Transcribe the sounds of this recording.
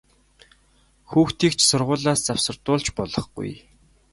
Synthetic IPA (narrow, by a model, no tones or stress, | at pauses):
xuːxt̪iːkt͡ɕʰsʊrʁʊːɮaːst͡saw̥sə̆rt̪ʊːɮt͡ɕpɔɮɞ̆χɡ̥ṵj